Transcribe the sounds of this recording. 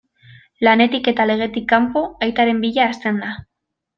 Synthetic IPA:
lane̞t̪ike̞t̪ale̞ɣ̞e̞t̪ikːampo̞ajt̪aɾe̞mbiʎaːst̪e̞nd̪a

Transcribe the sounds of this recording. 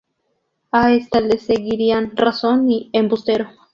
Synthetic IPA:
aest̪aleseɡiɾianrasoniembust̪eɾo

